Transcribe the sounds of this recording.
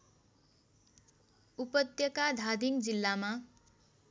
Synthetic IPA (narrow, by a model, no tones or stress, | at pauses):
upʌt̪jʌkad̪ʱad̪iŋd͡zilːama